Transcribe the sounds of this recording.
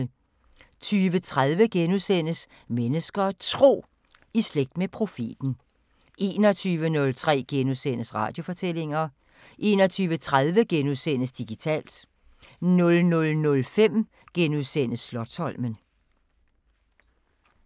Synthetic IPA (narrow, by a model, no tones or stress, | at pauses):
t͡sʰyːʋət͡sʰʁaðˠʋəɡ̥enuðˠsen̰əs | menəsɡ̥ɐt͡sʰʁo̝̰ː | isleɡ̥̚d̥mepʰʁo̝fḭd̥n̩ | ʔe̝̰ːnɒt͡sʰyːʋənɔ̽lt͡sʰʁɛ̰ːɡ̥enusen̰əsʁɑ̰̈ːd̥jo̝fɒ̽t͡sʰel̰e̝ŋɐ | ʔe̝ːnɒ̽t͡sʰyːʋət͡sʰʁaðˠʋəɡ̥enuðˠsen̰əsd̥iɡ̥it͡sʰɛ̰ːld̥ | nɔ̽lnɔ̽lnɔ̽lfem̰ | ɡ̥enuðˠsen̰əsːlɒ̽d̥shɒ̽lmən